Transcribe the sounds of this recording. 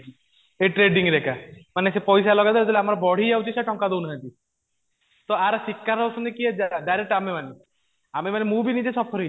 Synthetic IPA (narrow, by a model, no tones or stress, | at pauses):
eʈɾeɖiŋɡɾɛkʰamanesepɔjsalɔɡad̪ɔlɔd͡ʒɔleamaɾɔbɔɽ̤iawt͡ʃʰisaʈɔŋkad̪ewnaɦãt̪i | t̪ɔaɾsikːaɾɔsɔnekiad͡ʒaɖajɾek̚ʈamemane | amemanemũbinid͡ʒesɔpʰɔɾi